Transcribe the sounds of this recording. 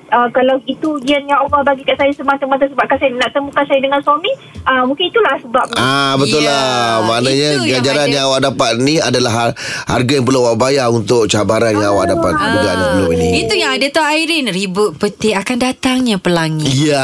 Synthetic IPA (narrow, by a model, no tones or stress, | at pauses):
ʔəkalawit̪uɡiɛnjãŋowalbaɡikaʔsajasəmãt̪əmat̪asəbap̚kasajanaʔt̪əmukansajadəŋanswami | əmũŋkɪnit̪ulahsəbap̚abət̪ʊlːamaʔnaɲaɡad͡ʒaɾanjãŋawaʔdapat̪niadalaɦha̰rɡajaŋp̬əlawaʔbajaʔunt̪ʊk̚t͡ʃabaɾanjaŋawaʔdapat̪̚d͡ʒuɡanabəloiniit̪ujaŋadat̪ɔaiɾɪnribʊʔpət̪ɪakandat̪aŋɲãpəlaŋija